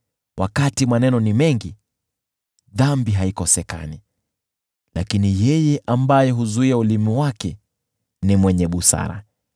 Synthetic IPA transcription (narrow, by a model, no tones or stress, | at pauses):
wʔakatimanɛnɔnimɛŋɡi | ðambiɦaikɔsɛka̰ni | la̰kinijɛjɛʔambajɛɦuzuiaulimiwakɛ | nimwɛɲɛɓusa̰ɾa̰